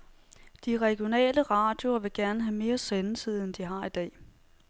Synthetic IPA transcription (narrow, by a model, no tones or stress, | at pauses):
d̥iʁɛɡ̥jo̝nɛ̰ːləʁɑ̰̈d̥jo̝ɐʋe̝ɡ̥æɐnəɦæme̝ːɐsenət͡sʰið̰ˠend̥iɦɑ̈id̥ɛ̰ː